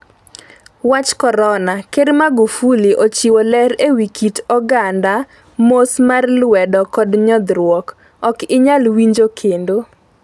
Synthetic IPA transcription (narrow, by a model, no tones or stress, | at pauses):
wat͡ʃkɔɾɔnakeɾmaɡufuliʔot͡ʃiwolɛɾewikitɔɡanda | mosmarlwɛdɔkɔdɲɔd̪ɾwɔk | ɔkɪɲalwiɲd͡ʒokʰendo